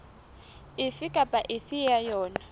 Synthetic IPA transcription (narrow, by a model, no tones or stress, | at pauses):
ɪfɪkʼapʼaʔɪfɪjajɔːna